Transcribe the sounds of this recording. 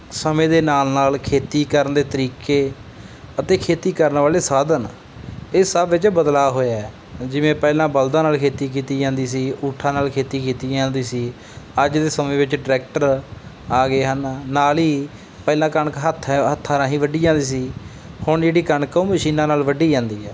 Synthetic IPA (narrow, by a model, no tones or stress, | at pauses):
səmẽːd̪eːnaːlnaːlkʰeːt̪iːkəɾənd̪eːt̪əɾiːkeː | ət̪eːkʰeːt̪iːkəɾnʋaːleːsaːd̪ən | eːsəbʋɪt͡ʃbəd̪laːɦoːjaɛ | d͡ʒɪʋẽːpɛːlãːbəld̪ãːnaːlkʰeːt̪iːkiːt̪iːd͡ʒãːnd̪iːsiːʊʈʰːãːnaːlkʰeːt̪iːkʰiːt̪iːd͡ʒãːnd̪iːsiː | əd͡ʒd̪eːsəmẽːʋɪt͡ʃɖɪɾɛːk̚ʈəɾ | aːɡeːɦənːaːliː | pɛːlãːkəɳkɦət̪ʰːɦət̪ʰːaːɾãːɦĩːʋəɖiːd͡ʒãːnd̪iːsiː | hʊɳd͡ʒeːɽiːkəɳkõːməʃiːnãːnaːlʋəɖiːd͡ʒãːnd̪iːɛː